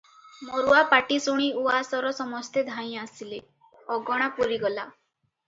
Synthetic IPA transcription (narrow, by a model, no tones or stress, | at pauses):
moɾuapaʈisuɽ̃iuasɔɾɔsɔmɔst̪ed̪ʱaj̃asile | ɔɡɔɽ̃apuɾiɡɔla